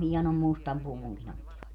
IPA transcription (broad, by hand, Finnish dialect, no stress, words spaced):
hiɛnom mustɑm puʋuŋkin otːiʋɑt